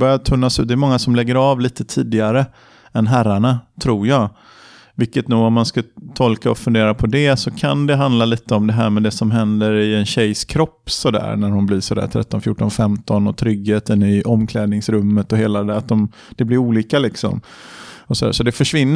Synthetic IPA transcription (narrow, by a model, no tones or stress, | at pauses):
bœɾjat̪ʰɵnːasʉ̟t̪̚d̪ɛːmɔŋːasɔmlɛɡːəɾɑːvliːt̪ət̪ʰiːd̪ɪaɾə | ɛnɦæɾːaɳat̪ʰɾuːɾjɑːɡ | vɪkːət̪nuːɡɔmːanskat̪ʰɔlkaɔfɵnd̪eːɾapʰɔd̪ɛsɔkʰand̪ɛɦand̪laliːt̪əɔmd̪ɛɦæ̰ːɾmɛd̪ɛsɔmɦɛnd̪əɾɪɛnɕɛjskʰɾɔpːsɔd̪æ̰ːɾnæɾhʊnblɪsɔd̪æ̰ːɾʈ̪ʰɾɛ̰t̪ːɔnfjuːʈːɔnfɛmt̪ɔnɔt̪ʰɾʏɡːeːt̪ɛnyːʔɔmːkʰlɛːd̪nɪŋsɾɵmːət̪ɔɦeːlad̪ɛat̪̚d̪ɔm | d̪̥ɛblɪɾuːliːkalɪksɔ̰m | ɔsɔd̪æ̰ːʂɔd̪ɛfœʂvɪnː